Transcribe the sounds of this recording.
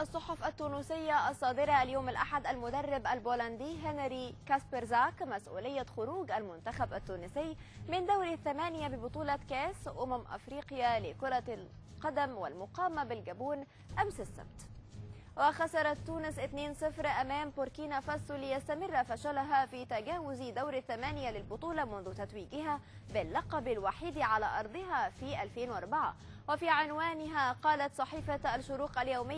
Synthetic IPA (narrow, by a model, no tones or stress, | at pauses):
ʔɑsˤːʊħʊfʔat̪ːuːnusɪjːaʔɑsˤːɑːd̪ɪɾˤɑʔljoːmalʔaħad̪ʔalmʊd̪ɑrˤːɪbʔalboːland̪iːɦanaɾikaspeɾzakmasʔṵːlɪjːaxʊɾuːɡʔalmʊnt̪axabʔat̪ːuːnɪsɪjːmɪnd̪awɾθːamaːnɪjabɪbʊt̪ˤuːlɑkaːsʔʊmamʔa̰fɾiːqɪjalɪkʊɾˤɑl | qɑd̪amwɪ̰lmʊqɑːmabɪlɡabuːn | ʔamsɪsːa̰b̚t̪ | wɪxasɑɾˤɑt̪ːuːnɪsʔɪt̪neːnsˤɨfɾʔamaːmbʊɾkiːnafasˤlɪjast̪amɪrˤːafaʃalaɦafiːt̪aɡaːwʊzd̪awɾaθːamaːnɪjalɪlbʊt̪ˤuːlɑmʊnðʊt̪at̪wiːɡɪɦaː | bɪlːɑqɑbalwaħiːd̪ʕalaːʔɑɾˤd̪ˤɨɦafiːʔalfeːnwʔɑɾˤbaʕa̰ | wɪfiːʕɪnwaːnɪɦaqɑːlat̪sˤɑħiːfaʔalʃʊɾuːqʔaljawmɪj